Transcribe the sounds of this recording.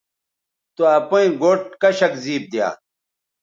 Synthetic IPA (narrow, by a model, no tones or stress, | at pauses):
t̪uɐpɐĩɡoːʈkɐɕɐkziːp̚d̪ja̰ː